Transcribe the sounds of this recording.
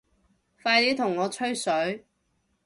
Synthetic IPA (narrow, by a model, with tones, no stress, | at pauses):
faː˧jliː˨˥t̪ʰʊ˨˩ŋːɔː˨˧t͡ʃʰɵ˥ɥsɵ˨˥ɥ